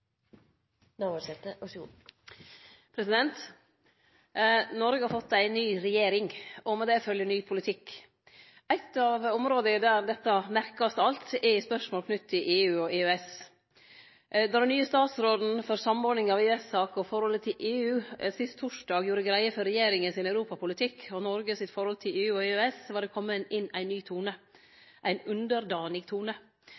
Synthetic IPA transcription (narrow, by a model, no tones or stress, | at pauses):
nɑʋɔsɛt̪əɔ | pʰɾɛsɪd̪ɛnt̪ | nɔɾɡəhɑɾfɔt̪ːæɪnːyːɾɛjeːɾɪŋɔmɛd̪ɛfœljəɳyːpʰʊlɪt̪ʰɪkː | æɪt̪ːɑʋɔmɾoːd̪əd̪æɾd̪ɛt̪ːɑmæɾkɑst̪ɑlt̪ɛspœʂmoːlkʰnʉt̪ʰːɪʔeːʉːɔʔeːøɛs | d̪ɔd̪ɛnyːəst̪ɑːt̪sɾoːd̪n̩fɔɾsɑmɔːɾɖ̪nɪŋɑʋeʉɛsɑːkɔfɔɾhɔlət̪ʰɪlʔeːʉːsɪst̪t̪ʰːʊʂɖɑːɡjuːɾəɡɾæɪəfɔɾɛjeːɾɪŋənsɪnœʉɾuːpɑpʊlɪt̪ʰɪkʰːɔnɔɾɡəsɪt̪fɔɾhɔlt̪ʰɪleːʉːɔeøɛsʋɑːɖɛkʰɔmːənɪnæɪnːyːt̪ʰuːnə | ʔæɪnʉnd̪əɾd̪ɑːnɪɡt̪ʰuːnə